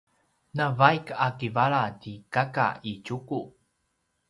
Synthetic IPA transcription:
navajkakivaɭatikaka̰icuku

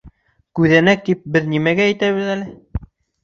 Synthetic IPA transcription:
kʉðænæk̚d̪ip̚bɘðnimæɡæːjt̪æβɘ̆ðælɘ

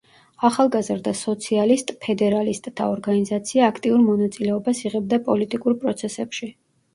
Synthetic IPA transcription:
aχalˠɡazɾd̪asɔt̪sʰialist̪ʼpʰɛd̪ɛɾalist̪ʼt̪ʰa̰ɔɾɡanizat̪sʰiaːkʰt̪ʼiuɾmɔnat̪sʼilɛɔbasiʁɛb̚d̪apʼɔlit̪ʼikʼuɾpʼɾɔt̪sʰɛsɛpʃi

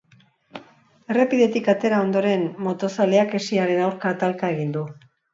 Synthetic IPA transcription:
e̞re̞piðe̞t̪ikat̪e̞ɾao̞nd̪o̞ɾe̞nmo̞t̪o̞saleake̞siaɾe̞nawɾkat̪alkae̞ɣind̪u

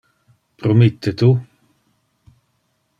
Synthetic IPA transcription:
pʰɾɔmɪt̪ʰːət̪u

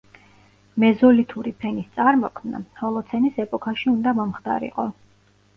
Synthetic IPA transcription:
mɛzɔlit̪ʰuɾipʰɛnist̪sʼaɾmɔkʰmna̰hɔlˠɔt̪sʰɛnisɛpʼɔkʰaʃiund̪amɔmχd̪ʰa̰ɾḭqʼɔ

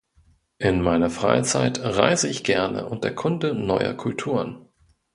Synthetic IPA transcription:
ʔɪnmaɪnɐfʁ̥a̰ɪt͡saɪtʁa̰ɪzəɪçɡ̥ɛɐnə̰ʔʊnt̚d̥eːɐkʰʊndənɔʏɐ̰kʰʊltʰuːʁən

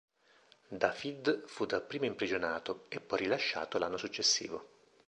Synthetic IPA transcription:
d̪afid̪fud̪apɾiːmoimpɾid͡ʒonaːt̪oepːɔjrilaʃːa̰ːt̪olanːosut͡ʃːesːḭːvo

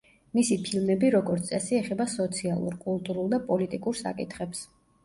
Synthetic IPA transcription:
misipʰilˠmɛbiɾɔɡɔɾt̪ʼɛsiɛχɛbasɔt̪sʰialˠṵɾkʼulˠt̪ʼuɾulˠd̪apʼɔlit̪ʼikʼuɾsa̰kʼit̪ʰχɛps

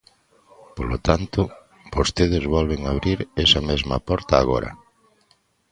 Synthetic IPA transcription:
polot̪ant̪ʊ | bost̪eð̞ɪzβɔlβeŋaβɾiɾɛsɐmezmɐpɔɾt̪aːɣɔ̰ɾɐ̰

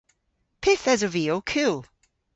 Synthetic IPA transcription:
pʰɪθɛzəviokʰɪlˠ

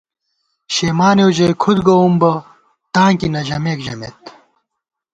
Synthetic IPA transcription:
ɕeːmaːnewʑɐjkʰud̪ɡɐumbɐ | t̪ãːŋkinɐʑɐmeːkʑɐmḛt̪

